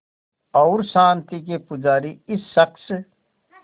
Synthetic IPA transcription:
ɔːɾsãːnt̪ik̬epʊd͡ʒaːɾiɪsːəks

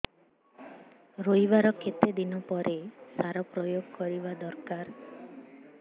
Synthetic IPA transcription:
ɾojbaɾɔkʰet̪ed̪inɔpɔɾʔesaɾɔpɾɔjoɡkɔɾibad̪ɔɾkaɾ

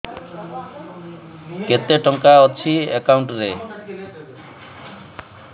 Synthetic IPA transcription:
ket̪eʈɔŋkaɔt̪t͡ʃʰiekawɳʈɾe

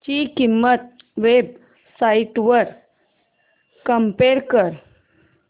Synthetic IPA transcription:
t͡ɕikimːət̪̚ | ʋeb̚ | saiʈʋəɾ | kəmpeɾkəɾ

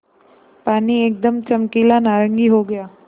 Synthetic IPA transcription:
paːnieːk̚d̪əmt͡ʃəmkilanaːɾəŋɡiɦoɡəjaː

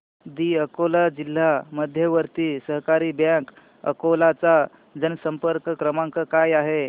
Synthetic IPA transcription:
d̪iːəkolad͡ʑil̤ːaməd̪ʱjəʋəɾt̪iːsəɦkaɾiːbãk | ə̰kolat͡sa | d͡zənsəmpəɾkəkɾəmaŋkəkajaɦe

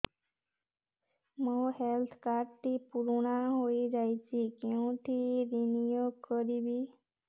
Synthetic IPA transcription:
məhelt̪ʰkaɾt̪ipuɾɳ̃aɦoid͡ʑajt͡ɕikẽʈ̪iɾinijoɡ̚kəɾibiː

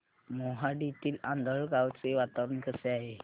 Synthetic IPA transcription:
mɔɦaɖit̪iːlãnd̪əɭɡawt͡seʋat̪aʋɾənkəseaɦe

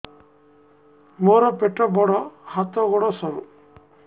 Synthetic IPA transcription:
moɾɔpeʈːɔbɔɽɔhat̪ɔɡɔɽɔsɔɾṵ

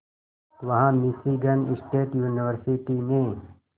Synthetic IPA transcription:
ʋɐɦãːmisiɡɐnisʈeːʈjuːniwəɾsiʈinẽː

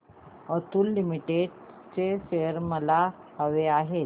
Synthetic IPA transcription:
ət̪uːlːimiʈeɖ | t͡seɕejəɾməla | həʋeaɦe

